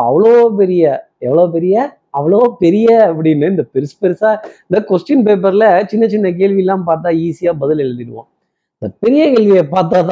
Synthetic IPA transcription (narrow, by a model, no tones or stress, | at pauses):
ɐ̰ʋɐɭoːp̬ɛɾɪjɐ | ɛʋːɐɭoːp̬ɛɾɪjɐ | ɐʋɐɭopɛɾɪjɐɐpːɐɽɪnːɐɪnd̪ɐpɛɾɯspɛɾɯsaːɪnd̪ɐkɔsʈɪnpeːp̬ɐɾlɐt͡ʃɪnːɐt͡ʃɪnːɐk̬eːlʋɪɛlːãːmpaːɾt̪̬ːãːiːsɪjaːbɐðɪlɛlɐnd̪ɪɾɯʋã̰ː | ɪnd̪ɐpɛɾɪjɐkeːlʋɪjɐpaːɾt̪̬ːaːt̪ã